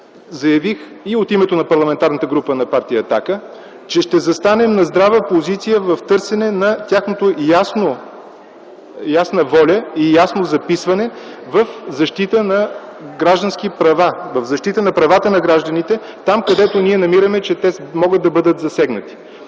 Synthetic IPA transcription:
zɐjɐvix | iot̪imɛt̪onɐpɐɾlˠɐmɛnt̪aɾnət̪əɡɾupənɐpaɾt̪ijəːt̪akə | t͡ʃɛʃt̪ɛzɐst̪anɛmnɐzd̪ɾavəpozit̪sijəvɐft̪ɤɾsɛnɛnɐt̪ʲaxnot̪ojasno | jasnəvɔlʲəijasnozɐpisvɐnɛ | vəfzɐʃt̪it̪ənɐɡɾaʒd̪ənsk̟ipɾɐvavɐvzɐʃt̪it̪ənɐpɾɐvat̪ənɐɡɾaʒd̪ənit̪ɛ | t̪amkɐd̪ɛt̪oniɛnɐmiɾəmɛt͡ʃɛt̪ɛmɔɡət̪̚d̪ɐbɤd̪ət̪zɐsɛɡnət̪i̥

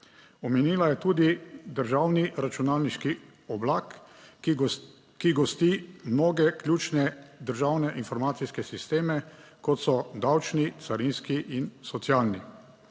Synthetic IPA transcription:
ɔmɛniːlajɛt̪uːd̪id̪əɾʒaːwniɾat͡ʃunaːlniʃki | ɔblaːk | kiɡɔst̪imnoːɡɛklʲjuːt͡ʃnɛd̪əɾʒawnɛʔinfɔɾmaːt̪siskɛsist̪eːmɛkɔt̪sɔd̪awt͡ʃnit̪saɾinskiʔinsɔt̪sjaːlni

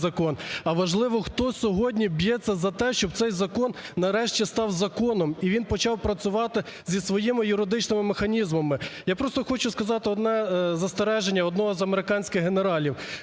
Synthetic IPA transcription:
zɐkɔnɐʋɐʒlˠɪʋɔxt̪ɔsʲɔɦɔdʲnʲibjɛt͡sʲːɐzɐt̪ɛʃt͡ʃɔb̚t̪sɛjzɐkɔnːɐɾɛʃt͡ʃʲist̪ɑwzɐkɔnɔmiʋʲinpɔt͡ʃɑwpɾɐt͡sʲʊʋɑt̪ɪ | zʲisʋɔjɪmɪjʊɾɪd̪ɪt͡ʃnɪmɪmexɐnʲizmɐmɪjapɾɔst̪ɔxɔt͡ʃʊskɐzɑt̪ɪɔd̪nɛzɐst̪eɾɛʒenʲːɐɔd̪nɔɦɔzɐmeɾɪkɑnʲsʲkɪɣɦeneɾɑlʲiw

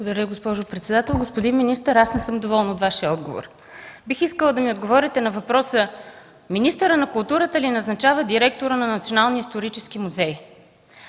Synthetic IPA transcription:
bˠɡod̪ɐɾʲəiɡospɔʒʊpɾɛt̪sɛd̪at̪ɛlˠɡospʊd̪inminist̪əɾasnɛsɤmd̪ovɔlˠnot̪vaʃiəɔd̪ɡo̰vo̰ɾ | bixiskəlˠəd̪ɐmiod̪ɡovɔɾʲit̪ɛnɐvɐpɾɔsə | minist̪əɾənɐkʊlˠt̪uɾət̪əlinɐznɐt͡ʃavəd̪iɾɛkt̪oʊɾənɐnɐt̪sionalˠniːst̪oɾit͡ʃɛskimuzɛj

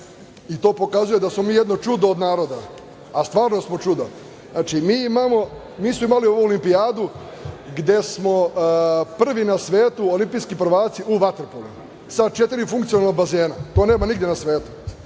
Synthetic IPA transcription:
it̪o̞ːpo̞kazuje̞d̪asmo̞miːjed̪no̞t͡ʃud̪oːd̪naːɾo̞d̪aː | st̪ʋaːɾno̞smo̞t͡ʃud̪o | naːt͡ʃimiːimaːmo̞ | miːsmoimalio̞ʋuolimpiaːd̪u | ɡd̪e̞smo̞ | pr̩ʋinasʋeːt̪uolimpijskipr̩ʋaːt̪siʔuʋat̪rpolṵ | sad̪t͡ʃe̞t̪iɾifuŋkt̪ionalnobaze̞ːnat̪o̞ːneːmaniɡd̪jenasʋe̞ːt̪u̥

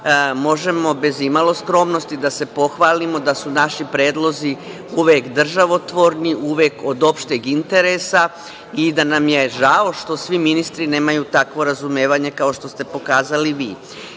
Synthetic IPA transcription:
mo̞ʒe̞mo̞be̞zimalˠo̞skɾo̞mno̞st̪id̪ase̞po̞xʋaːlimo̞d̪asunaʃipɾe̞ːd̪lˠo̞zi | uʋeːkd̪r̩ʒaʋo̞t̪ʋo̞ɾniʔuʋeːko̞d̪o̞pʃt̪eɡint̪e̞ɾe̞sa | id̪anamje̞ʒao̞ʃt̪o̞sʋiminist̪ɾine̞ːmajut̪akʋo̞ɾazume̞ːʋaɲe̞kao̞ʃt̪o̞st̪e̞po̞kaːzaliʋḭː

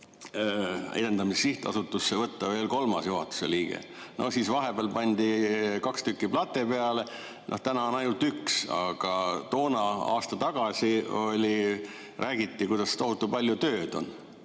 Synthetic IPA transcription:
ḛd̪e̞nd̪ɑmissiht̪ɑ̰sut̪ːˑusːevɤt̪ːɑve̞ːlko̞lmɑsjuɦɑt̪ːu̥sḛliːɡ̥e̞̰no̞̰hsiːsvɑɦe̞b̥eɑlpɑnʲd̪̥ikɑkst̪ykːiplɑt̪ːˑe̞peɑle̞ | nʔo̞̰ht̪ænɑonɑjnult̪yksɑ̰ɡ̥ɑt̪o̞ːnɑɑ̰ːst̪ɑt̪ɑɡ̥ɑsio̞lʲi | rʔæːɡ̥it̪ːikujd̪̥ɑst̪o̞ɦut̪ːupɑlʲjut̪ø̞ːd̪o̞̰n

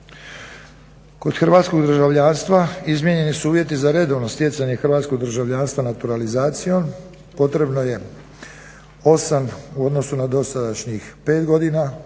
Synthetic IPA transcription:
ko̞d̪xrɾʋaːt̪sko̞ɡd̪ɾ̩ʒaʋʎaːnst̪ʋaizmje̞ɲe̞nisuuːʋje̞t̪izaɾe̞d̪o̞ʋno̞st̪jet̪saɲexɾʋaːt̪sko̞ɡd̪ɾ̩ʒaʋʎaːnst̪ʋanat̪uɾalizaːt̪sijo̞m | po̞t̪ɾe̞bno̞je̞ | o̞samuo̞d̪no̞sunad̪o̞sad̪aʃɲixpe̞ːt̪ɡo̞d̪ina

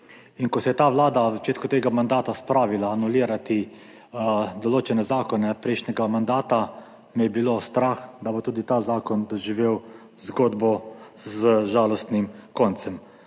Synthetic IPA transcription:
inkɔsɛjɛt̪aːʋlaːd̪azat͡ʃeːt̪kut̪eːɡamand̪aːt̪aspɾaːʋilaːnuliːɾat̪i | d̪ɔloːt͡ʃɛnɛzaːkɔnɛpɾɛɪʃnɛɡamand̪aːt̪a | mijɛbilost̪ɾaxd̪abot̪uːd̪it̪aːzaːkɔnd̪ɔʒiʋew | zɡoːd̪bɔzəʒaːlɔst̪nimkɔnt̪sɛm

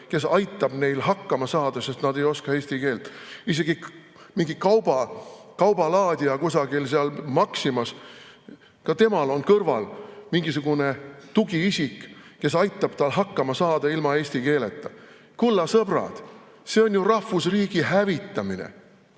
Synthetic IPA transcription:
ke̞sɑjt̪ːˑɑb̥ne̞jlɦɑkːɑmɑsɑːd̪̥ɑse̞st̪nɑd̪e̞jo̞skɑe̞ːsʲt̪ike̞ːlt̪ise̞ɡ̥i | miŋɡikɑwbɑkɑwbɑlɑːd̪̥ʲiɑkusɑɡ̥ilseɑlmɑksimɑs | kɑt̪e̞mɑlo̞nkɤrvɑ̰lmiŋɡisuɡ̥une̞t̪uɡ̥iisʲikke̞sɑjt̪ːˑɑb̥t̪ɑlɦɑkːɑmɑsɑːd̪̥ɑilmɑe̞ːsʲt̪ike̞ːlet̪ːˑɑ | kulːɑsɤb̥rɑ̰d̪̥ | se̞o̞nʲjurɑhfusriːɡ̥ihævit̪ːˑɑminḛ

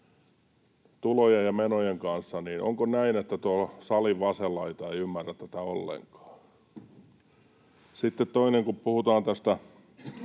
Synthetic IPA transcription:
t̪ulojejjɑmenojeŋkɑnsːɑniːnʔo̰ŋkonæinet̪ːæt̪uosɑliʋʋɑselːɑit̪ɑeiymːærːæt̪t̪ːæt̪æo̰lːḛŋkɑ̥ː | sit̪ːet̪toineŋkuppuhut̪ɑːnt̪æst̪æ

